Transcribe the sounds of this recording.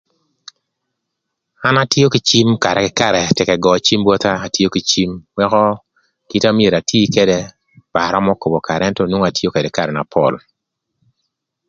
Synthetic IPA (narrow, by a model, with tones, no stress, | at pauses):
a˦na˦tjo˦ki˨t͡ʃi˦mka˨ɾɛ˨kɪ˨ka˨ɾɛ˨tɛ˨kɛ˨ɡɔ˨t͡ʃi˦mbwɔ˦t̪aː˦˨tjo˦ki˨t͡ʃi˦mwɛ˦kɔ˦ | ki˦ta˦mje˨ɾa˨tiː˦ke˦de˦ | ba˨ɾɔ˦mɔ˦ko˨bo˨ka˨ɾɛɛ˦ntɔ˦nwo˦ŋa˨tjo˦ke˨dɛ˨ka˦ɾɛ˨na˨pʰɔ̰˨l